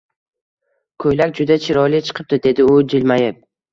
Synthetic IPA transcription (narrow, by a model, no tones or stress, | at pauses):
kʰɵjlakʲd͡ʒʊd̪at͡ʃʰɪɾɒjlɪt͡ʃʰɨ̥qʰɨp̚t̪ɪd̪e̞d̪ɪʊd͡ʒɪlmajɪp̚